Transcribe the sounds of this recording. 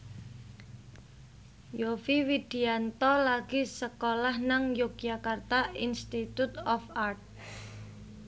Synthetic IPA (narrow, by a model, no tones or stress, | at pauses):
jofiwid̪̥i̤ant̪ɔlaɡ̥isəkolahnaŋjok̚akart̪ainst̪it̪ut̪ɔfart̪̚